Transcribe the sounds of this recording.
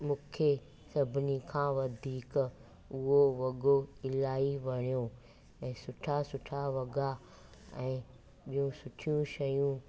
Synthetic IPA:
mũːkʰe | sɐbʱɪnikʰãːʋɐd̪ʱiːk | ʊɦoʋɐɡoɪlaːiʋɐɽ̃ijo | ɛ̃ːsʊʈʰasʊʈʰaʋɐɡa | ɛ̃ː | ɓijũsʊʈʰjũʃɐjũ

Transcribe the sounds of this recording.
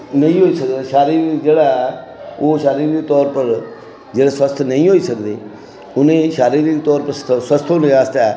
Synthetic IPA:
nəĩːɦoːiːsəkd̪aːʃaːɾiːɾd͡ʒeːɽaː | oːʃaːɾiːɾt̪ɔːɾpəɾ | d͡ʒeːɽaːswəst̪ʰnəĩːɦoːiːsəkd̪eː | ʊnẽːʃaːɾiːɾt̪ɔːɾpəɾsəst̪ʰonẽaːst̪aɛː

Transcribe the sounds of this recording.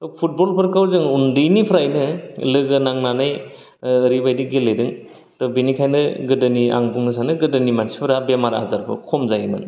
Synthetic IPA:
topʰut̚bolpʰɯɾkʰawzɯŋundɯjnipʰɾajnɯlɯɡɯnaŋnanajː | ɾibajdiɡeledɯŋ | tɔbinikʰajnɯɡɯdɯnia̰ŋbuŋɯs̬anɯɡɯdɯnimansipʰɯɾabemaɾa̰zaɾbɯ̰kʰɔmzajimɯ̰n

